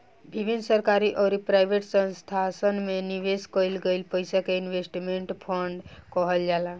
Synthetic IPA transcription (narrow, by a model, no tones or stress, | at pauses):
bibʱinːsəɾkaɾiʔɔːɾipɾajbʱeʈsə̃nst̪ʰasənmeniʋeskəjlɡəɪlpəjsakeinʋesʈimeɳʈpʰəɳɖkɔɦəld͡ʒala